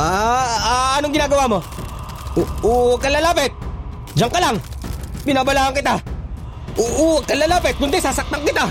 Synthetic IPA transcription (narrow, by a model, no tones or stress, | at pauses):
aaːnoŋɡɪnaːɡɐwamo | oakːalːalaːpɛt̪̚ | d͡ʒaŋkalaŋpɪnabalaːaŋkɪt̪a | ʔouwakalalaːpɛt̪̚kʊnt̪ɛsasak̚t̪aŋkɪt̪a